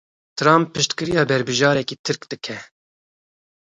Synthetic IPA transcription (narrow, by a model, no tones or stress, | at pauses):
t̪ʰɨɾɑːmpʰːɨʃt̪kɨɾijɑːbɛɾbɨʒɑːɾɛkiːt̪ʰɨɾkd̪̥ɨkʰɛ